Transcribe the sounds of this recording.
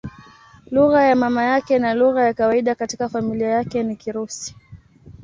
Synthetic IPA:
luɣajamamajakɛnaluɣajakawaiɗakatikafamiliajakɛnikiɾusi̥

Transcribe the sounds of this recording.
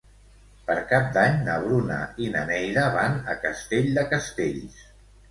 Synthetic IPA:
pəɾkap̚d̪aɲnəβ̞ɾuna̰inə̰nɛjɾəβanəkəst̪eʎd̪əkəst̪eʎs

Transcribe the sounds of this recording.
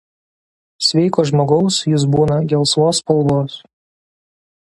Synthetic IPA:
sʲʋʲɛɪkoːʒmoːɡɐʊsjʊs̬buːnɐɡʲɛlˠsʋoːspɐlˠˑboːs

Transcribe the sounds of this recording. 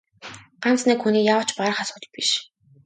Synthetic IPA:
ɢ̥am̥t͡sniːkxuniːjawə̆t͡ɕpaɾə̆χasʊːt̪ə̥̆piʃ

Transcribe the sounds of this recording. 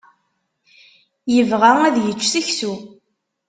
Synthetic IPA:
jəvʁææðjət͡ʃːθiçsu

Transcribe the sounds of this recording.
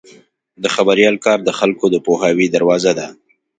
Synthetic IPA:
d̪əxabaɾijɑlkɑɾd̪əxalkod̪əpohɑwid̪aɾwɑzad̪a

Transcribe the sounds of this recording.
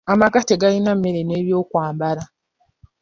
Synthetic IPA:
amakateɡalinamːe̞ɾe̞ne̞ːβjo̞ːkwaːmbaɾa

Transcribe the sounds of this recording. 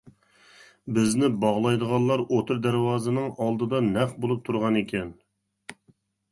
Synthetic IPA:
bɪznɪbɑʁlˠɑjd̪əʁɑnlˠɑɾot̪ʰɨɾd̪æɾwɑːzɨnɨŋɑlˠd̪ɨd̪ɑnɛχbolˠup̚t̪ʰuɾʁɑnekʲʰɛn

